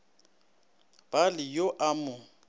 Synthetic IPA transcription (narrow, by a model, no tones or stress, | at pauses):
b̥alɪjoʔamʊ